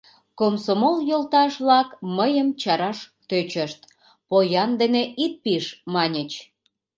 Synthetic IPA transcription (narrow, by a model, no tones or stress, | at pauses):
komsomoljolt̪ɑʃβlɑkməjəmt͡ɕɑɾɑʃt̪øt͡ɕəʃt̪̚ | pojɑnd̪eneʔit̪̚piʃmɑnʲət͡ɕ